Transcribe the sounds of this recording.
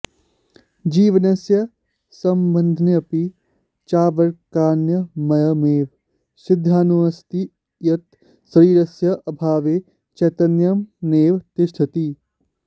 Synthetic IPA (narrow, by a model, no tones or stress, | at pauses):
d͡ʒiːʋɐnɐsjɐ | sɐmbɐnd̪ʱnjɐpi | t͡ʃaːʋɐɾkaːnjɐmɐjɐmeːʋ | sɪd̪ʱːaːnuɐst̪i | jɐt̪ | sɾiːɾɐsjɐʔɐbʱaːʋeː | t͡ʃɐːt̪ɐnjɐmneːʋt̪ɪʃt̪ʰɐt̪i